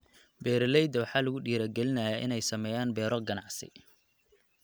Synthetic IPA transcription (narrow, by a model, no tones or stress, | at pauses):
bɛːɾlɛjd̪ɐwɑħɑːlɐɣʊɖiːɾɐɡɛlɪnɐjaʔɪnɛjsɐmɛːjaːnbɛːɾɔɡɐnɑʕsɪ̰